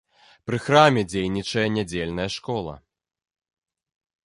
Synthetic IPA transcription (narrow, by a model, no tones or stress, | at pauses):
pɾɨxɾamʲɛd͡zʲejnʲit͡ʂɐjɐnʲad͡zʲelʲnɐjɐʂkɔlˠɐ̰